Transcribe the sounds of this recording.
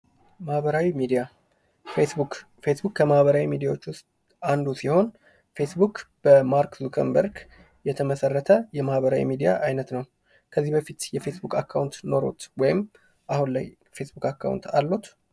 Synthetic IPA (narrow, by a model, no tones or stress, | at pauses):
mahβəɾawimid̪ija | fe̞sbukːəmahβəɾawimid̪ijawot͡ʃːwʊst̪ | and̪usiho̞n | fe̞sbukb̥əmaɾkzukʰə̰nbəɾɡ | jɛt̪ʰəməsərːət̪ʰəjɛmahβəɾawḭmid̪ija̰ʔajnət̪nəw | kʰəzːihbəfit̪jɛfe̞sbukʰʼakʰːawnt̪no̞ɾo̰t̪wɔjɪm | ʔahunlaj | fe̞sbukakːa̰wnt̪ʰalːut̪